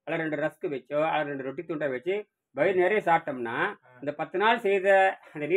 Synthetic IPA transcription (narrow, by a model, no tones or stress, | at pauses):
ɐlɐɾɛɳɖɯɾɐskɯʋɛt͡ʃːoːɐlɐɾɛɳɖɯɾɔʈːikt̪ːuːɳʈɐʋɛt͡ʃːɯ | bɐjɪɾneːɾɐjɐsaːʈːɐmnaː | ɪnd̪ɐpɐt̪ːɯnaːlsɛjðɐɐnd̪ɐniː